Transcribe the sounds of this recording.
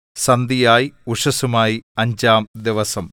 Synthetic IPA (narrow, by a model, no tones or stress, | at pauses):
sɐnd̪ijaːjiuʂɐsumaːjiɐɲd͡ʑaːmd̪iʋɐsɐm